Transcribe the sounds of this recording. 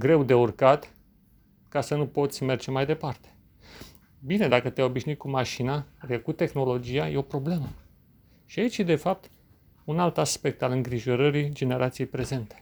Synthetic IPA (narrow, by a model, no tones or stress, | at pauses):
ɡɾe̞wd̪e̞urkat̪ | kasənupo̞t̪sʲme̞rd͡ʒe̞majd̪e̞part̪e̥ | bine̞d̪akət̪eajo̞biʃnuit̪̚kumaʃinaɾekut̪e̞xno̞lo̞d͡ʒijajeopɾo̞ble̞mə | ʃiait͡ʃjed̪e̞fap̚t̪ | unalt̪aspe̞k̚t̪alɨŋɡɾiʒo̞ɾəɾid͡ʒe̞ne̞ɾʔat̪sijejpɾe̞ze̞nt̪e̥